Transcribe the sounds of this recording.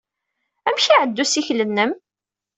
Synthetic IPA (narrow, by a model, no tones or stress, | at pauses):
æmʃiʕəd̪ːusiçlənːəm